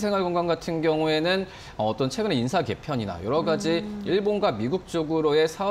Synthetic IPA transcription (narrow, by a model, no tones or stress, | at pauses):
sʰe̞ŋɦwaɭɡoŋɡanɡatʰɯnɡjʌŋue̞nɯn | ʌːt͈ʌnt͡ɕʰwe̞ɡɯne̞insʰake̞pʰjʌɲina̰jʌɾʌɡad͡ʑiiɭbonɡwamiɡuk̚t͡ɕ͈oɡɯɾoe̞sʰa